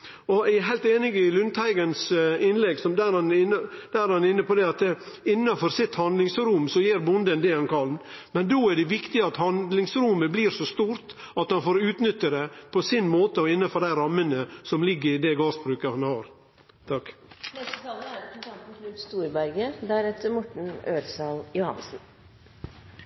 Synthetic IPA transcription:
ɔææɦæɪlt̪eːnɪɡɪlʉnt̪ʰhæɪɡənsɪnlɛɡsɔmd̪æɾhɑnɪnːəd̪æːæɾhɑnɪnːəpɔd̪ɛɑt̪ | ɪnːɑfɔɾsɪt̪hɑnd̪lɪŋsɾʊmsɔjiːɾbʊnd̪ənd̪ɛhɑnkʰɑlnmɛnd̪oːæɖɛʋɪkt̪ɪɑt̪hɑnd̪lɪŋsɾʊməbliːɾsɔst̪uːɾt̪ | ɑt̪hɑnfoːɾʉːt̪nʏt̪ːəɾɛpʰɔsɪnmoːt̪əɔɪnːɑfɔɾd̪æɪɾɑmːənəsɔmlɪɡːəɾɪd̪ɛɡɑːsbɾʉːkəhɑnhɑːɾ | t̪ʰɑknɛst̪ət̪ʰɑːləæɾk̪t̪ʰɑnt̪n̩kʰɾʉt̪st̪uːɾbæɾɡəd̪æɾɛt̪əɾmɔʈɳ̩øːɾsɑːljʊhɑ̰nsn̩

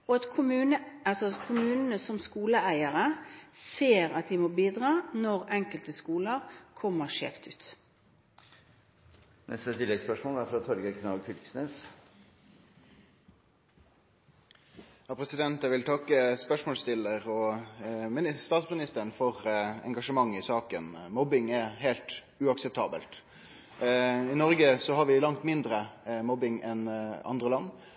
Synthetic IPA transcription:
ɔɑt̪kʰʊmʉːnəɑlsɔkʰʊmʉːnənəsɔmskuːləʔæɪəʁəseːʁɑt̪̚d̪ɪmoːbiːd̪ʁɑːnɔʁɛŋkəlt̪əskuːləʁkʰɔmːəʁʃḛːft̪ʉ̰ːt̪ | nʔɛ̰st̪ət̪ʰɪd̪ɛɡspœʂmoːlæɾfɾɑt̪ʰɔɾɡəkʰnɑɡfʰɪlksneːs | hɑpʰɾɛsɪd̪ɛnt̪ɛæʋɪlt̪ʰɑkːəspœʂmoːlst̪ɪlːəʁɔ | mɪst̪ɑːt̪smɪnɪst̪ənfɔʁɛ̰ŋɡɑʂəmɑŋːɪsɑːkənmɔbɪŋɛɦeːlt̪ | ʉɑksɛp̚t̪ʰɑːbə̰lt̪ | ɪnɔɾɡəsɔɦɑɾʋɪlɑŋt̪mɪnd̪ɾəmɔbɪŋɛnɑ̰nd̪ʁəlɑnː

